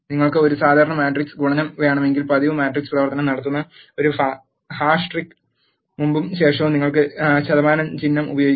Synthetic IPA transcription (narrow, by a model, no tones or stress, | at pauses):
niŋːɐɭkɨo̞ɾusaːd̪ʱaːɾɐɳɐmjaːʈrikskuɻɐɲːɐmʋe̞ːɳɐme̞ŋɡilpɐðiʋɨmaːʈriksprɐʋɐrt̪ɐnɐmnɐɽɐt̪̬ːunːɐ | o̞ɾufa | haːʂʈrikːɨ | mumbumɕe̞ːʂɐʋumniŋːɐɭkɨɕɐðɐmaːnɐmt͡ɕinːɐmubɐjo̞ːɡi